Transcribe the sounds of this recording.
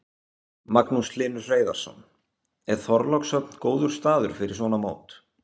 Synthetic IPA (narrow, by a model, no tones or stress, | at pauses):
maknuslɪːnʏreːjða̰ɾ̥sɔ̰n | ɛɾ̥θɔɾlawksœt̪nkoːwðʏɾ̥st̪aːðʏɾ̥fɪɾɪɾ̥svɔːnamoːwt̪